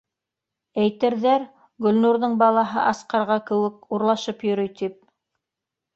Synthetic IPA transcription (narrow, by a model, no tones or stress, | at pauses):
æjt̪ɘ̆ɾðæɾ | ɡɵ̆lnuɾðɤɴbɑlˠɑɦɤʔɑsqɑɾʁɑkɘ̆wɘkuɾlˠɑʃɤpjɵ̆ɾɵjt̪ip̚